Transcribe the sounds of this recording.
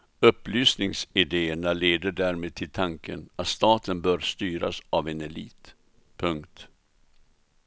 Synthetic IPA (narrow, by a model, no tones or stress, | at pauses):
ɵpːlyːsnɪŋsɪd̪eːəɳaleːd̪əɖæːɾmeːd̪̚t̪ʰɪlt̪ʰaŋkə̰nat̪st̪ɑːt̪ənbœːɾst̪yːɾa̰savɛnɛlḭːt̪ | pʰɵŋkt̪